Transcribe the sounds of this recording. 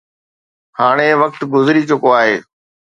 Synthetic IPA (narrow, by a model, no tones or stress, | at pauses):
haːɽ̃eʋɐk̚t̪ɡʊzɾit͡ɕʊkoaːɦeː